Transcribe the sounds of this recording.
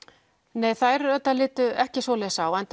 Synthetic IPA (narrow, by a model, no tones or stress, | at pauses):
neːjθajɾœt̪ːalɪːt̪ʏɛhcɪsvɔlɛɣsawɛnt̪